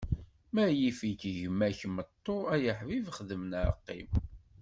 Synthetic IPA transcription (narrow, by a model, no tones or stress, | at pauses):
mæjifikʝmːæçmət̪ˤːoæjəħvivχðəmənaɾə̰qːḭm